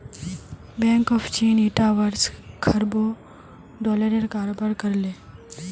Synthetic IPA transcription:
bẽːŋkɔːfʰt͡ʃiːniʈaʋəɾskʰɐɾbo | ɖɔːləɾeɾkaːɾobəɾkəɾleː

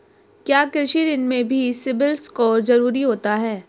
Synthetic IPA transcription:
kjaːkɾɪʃiɾɪnmẽbʱisɪbɪlskɔːɾzɐɾuːɾiɦoːt̪aɦɛː

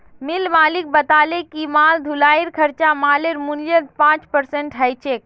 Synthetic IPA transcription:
milmaːlik̚bət̪aːlekimaːld̪ʱulaːiɾkʰəɾt͡ʃamaːleɾmuniəɾpãːt͡ʃpəɾseɳʈɦəjt͡ʃek̚

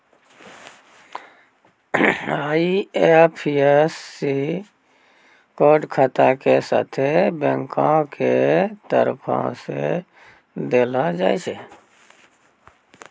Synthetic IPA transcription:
aiepʰiesːi | koɖkʰət̪akesa̰t̪ʰebɛ̃ŋkãket̪əɾpʰã̰sḛ | d̪eːlad͡ʒa̰ːjt͡ʃe

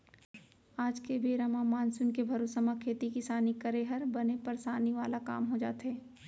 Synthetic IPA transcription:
aːd͡ʒkebeːɾamamaːnsʊnkebʱɐɾosəmakʰeːt̪ikɪsaːnikɐɾeːɦəɾbɐnepɐɾsaːniʋaːlaka̰ːmɦod͡ʒa̰ːt̪ɦɛː

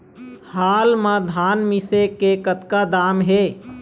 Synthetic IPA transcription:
haːlmãd̪ʱanmisekekət̪kad̪aːmɦe

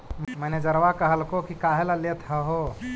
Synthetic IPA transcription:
məned͡ʒəɾʋakəɦəlkokikaɦelalet̪ɦəɦo

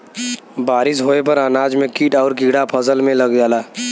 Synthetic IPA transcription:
baːɾɪsɦoːep̬ɐɾaːnaːd͡ʒmẽkiːʈɔːɾkɪɽapʰəsəlmẽlɐɡd͡ʒaːlaː

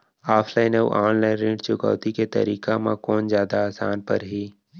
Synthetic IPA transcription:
aːpʰlaːɪnəʔaːnlaɪ̃nɾẽːɖt͡ʃʊka̰ːt̪iket̪ɐ̰ɾiːkamã̰kɔːnzjaːd̪aaːsaːnpɐ̰ɾɦiː

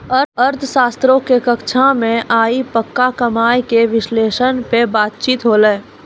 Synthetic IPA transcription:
əəɾt̪ʰsaːst̪ɾõkekəkt͡ʃʰãmẽʔaːipəkːakəmaːjkeʋɪʃleːʃənpebaːt̪̚t͡ʃiːt̪ɦoːlɛː

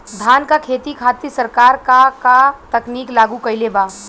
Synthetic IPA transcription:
d̪ʱankakʰet̪ikʰat̪isəɾkaɾkakat̪əkniklaɡukəjleba

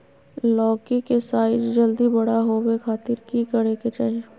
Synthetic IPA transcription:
lɔːkikesaːɪd͡ʒd͡ʒɐld̪ibɐɽaɦowekʰaːt̪ɪɾkikəɽeket͡ʃaːɦe

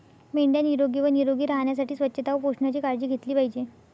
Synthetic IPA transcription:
meɳɖjaniɾoɡiːʋəniɾoɡiːɾaɦɳjas̬aʈʰiːsʋətːɕʰət̪aʋəpoʂɳat͡ɕiːkaɾd͡ʑiːɡʱet̪liːpaɦid͡ʑe

